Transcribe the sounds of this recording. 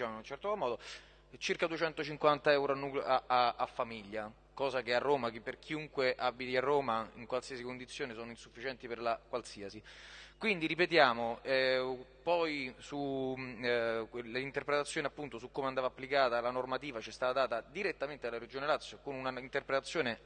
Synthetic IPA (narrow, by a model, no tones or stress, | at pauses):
it͡ʃaːmoinunt͡ʃɛrt̪omɔːd̪o | t͡ʃirkad̪uet͡ʃɛnt̪ot͡ʃiŋkwant̪aɛwɾoanːuːklaaafːamiʎːa | kɔːzakearːoːmakperk̟ʰiuŋkweʔabːit̪iarːoːmaiŋkwalsiːasikond̪it̪sːjoːnesoːnoinsufːit͡ʃɛnt̪iperlakwalsiːasikwind̪iɾipet̪jaːmoɛpɔjsu | leint̪erpɾet̪at̪sːjoːneapːunt̪osukːoːmeand̪aːvaapːlikaːt̪alanormat̪iːvat͡ʃiɛst̪aːt̪ad̪aːt̪ad̪iɾet̪ːament̪ed̪alːaɾed͡ʒoːnelat̪sːjokonunaint̪erpɾet̪at̪sːjoːne